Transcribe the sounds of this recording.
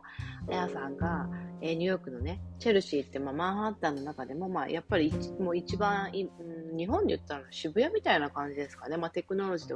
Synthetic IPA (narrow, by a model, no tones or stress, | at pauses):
ajasãŋɡaeːɲ̟ɯjo̞kɯ̟no̞ne̞t͡ɕe̞ɾɯ̟ɕiːt̪ːe̞maːmãɰ̃ɦãt̪ːanːo̞nakad̪e̞mo̞ma̰ːjʔapːaɾʲimo̞it͡ɕibãɰ̃iɯ̃ɲ̟iɦõ̞nɲd̪ejɯ̟t̪ːaɾanoɕibɯ̟jamʲit̪ainakãɲ̟d͡ʑid̪e̞sɨ̥kane̞mat̪e̞kɯ̟no̞ɾo̞ʑid̪e